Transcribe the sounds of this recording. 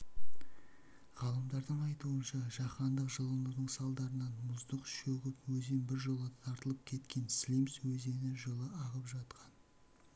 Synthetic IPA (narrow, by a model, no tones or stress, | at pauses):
ʁɑlˠəmd̪ɑɾd̪əɴɑjt̪uənʃɑʒ̥ɑχɑnd̪əqʒəlˠənəɾd̪əɴsɑlˠd̪ɑɾənɑnmʊzd̪əqʃɵɡʲɪpwɵzenbɪɾʒolˠət̪ʰɑɾt̪əlˠəp̚kʲʰe̞t̪kʲʰe̞nslʲimswɵze̞nɪʒəlˠəʔɑʁəpʒɑt̪qʰɑn